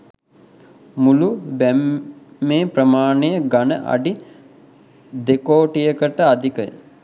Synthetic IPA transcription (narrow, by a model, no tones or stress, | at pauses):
mulubæmː | eːprəmaːnejəɡanə̰ʔa̰ɖi | d̪ekoːʈijəkəʈəad̪ikə̰j̰